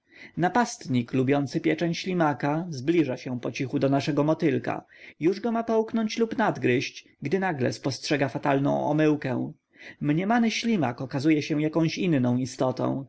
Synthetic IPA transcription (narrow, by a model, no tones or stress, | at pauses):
napast̪ɲiklubʲjɔnt̪sɘpʲjɛt͡ʂɛɲɕlʲimakazblʲiʐaɕɛpɔt͡ɕixud̪ɔnaʂɛɡɔmɔt̪ɘlka̰juʐɡɔmapɔwknɔɲt͡ɕlupnad̪ɡɾɘɕt͡ɕ | ɡd̪ɘnaɡlɛ̰spɔstʂɛɡafat̪alnɔ̰̃w̃ɔ̰mɘwkɛ̰w̃ | mɲɛmanɘɕlʲima̰kɔkazujɛɕɛ̃jakɔ̃w̃ɕinnɔ̃w̃ist̪ɔt̪ɔ̰̃w̃